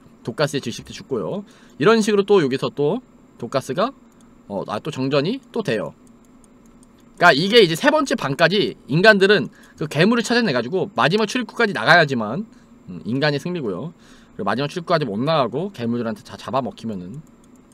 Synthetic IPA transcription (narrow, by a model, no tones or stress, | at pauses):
tok͈as͈ɯet͡ɕɯkɕ͈i̥kt͈ʰet͡ɕuk͈̚ojo̰ | iɾʌnɕ̬ʰiɡɯɾot͈ojoɡisʰʌt͈o | tok͈as͈ɯɡa | ʌ̰a̰t͈ot͡ɕʌŋd͡ʑʌɲit͈otwe̞jo̰ | k͈aiɡe̞id͡ʑe̞sʰe̞bʌnt͡ɕ͈epaŋk͈ad͡ʑiːnɡandɯɾɯn | kɯke̞muɾɯt͡ɕʰad͡ʑanːe̞ɡad͡ʑuɡomad͡ʑimak̚t͡ɕʰuɾik͈ʰu̥k͈ad͡ʑina̰ɡajad͡ʑiman | ɯinɡaɲesʰɯŋmiɡojo̰ | kɯɾeɡomad͡ʑimak̚t͡ɕʰuɭik͈ʰuk͈ad͡ʑimonːaaɡoke̞muɭdɯɾɦantʰet͡ɕat͡ɕabamʌkʰimjʌnɯn